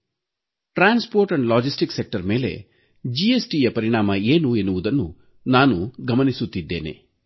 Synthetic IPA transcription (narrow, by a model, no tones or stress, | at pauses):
ʈɾaːnspoːɾʈɐɳɖlaːd͡ʒisʈiksek̚ʈɐɾme̞ːle̞̰ | d͡ʒiesʈiːjɐpɐɾiɳaːmɐeːnue̞nːuʋud̪ɐnːu | naːnuɡɐmɐnisut̪ːid̪ːe̞ːne̞̰